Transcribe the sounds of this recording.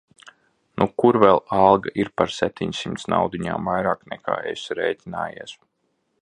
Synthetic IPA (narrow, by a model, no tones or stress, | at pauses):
nukuɾvɛlˠalˠɡaʔiɾpaɾsɛp̚t̪ʰiɲsimt̪sna̰wd̪iɲa̰ːmvajɾaːknɛ̰kʰa̰ːesɾɛjt̪ʲina̰ːjiɛs